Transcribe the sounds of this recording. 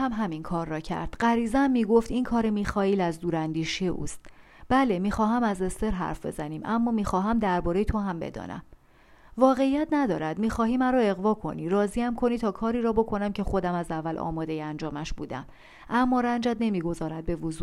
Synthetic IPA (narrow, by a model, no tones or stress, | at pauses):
æmɦæminkʰɒːɾːɒːcʰæ̰ɾd̪̥ɢæɾiːzæmːiːɡo̞ft̪inkʰɒːɾemiːxɒːilæzd̪uːɾænd̪iːʃiḛʔṵːst̪ | b̥ælemiːxɒːɦæmæze̞st̪e̞ɾɦæ̰ɾfbe̞̰zæniːmʔæmːɒːmiːxɒːɦæmd̪æɾbɒːɾe̞jt̪ʰo̞ɦæmbe̞̰d̪ɒ̰ːnæ̰m | vɒːɣe̞ijæt̪ʰnæd̪ɒːɾæd̪miːxɒːɦiːmæɾɔːe̞ɣvɒːkʰo̞̰niɾɒːziæmkʰo̞niːt̪ʰɒːkʰɒːɾiːɾɒːbo̞kʰo̞næmcʰe̞xo̞d̪æmæzævːælʔɒ̰ːmɒːd̪e̞jeænd͡ʒɒːmæʃbṵːd̪æ̰m | ʔæmːɒːɾænd͡ʒæd̪ne̞miːɡo̞zɒːɾæd̪̚be̞vozuː